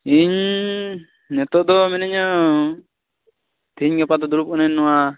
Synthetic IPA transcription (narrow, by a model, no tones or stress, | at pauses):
iɲ | nɛt̪ɔʔd̪ɔmɛnɛɲɔ | t̪iɲɡɛpad̪ɔd̪uɾup̚kɔnɛnːɔwa